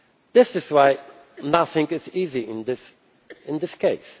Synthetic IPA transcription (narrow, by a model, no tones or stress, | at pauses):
ðɪsɨzwaɪ | nʌθɪ̃ŋɨziziɪ̃nðɪs | ɨ̃nðɪskʰeɪs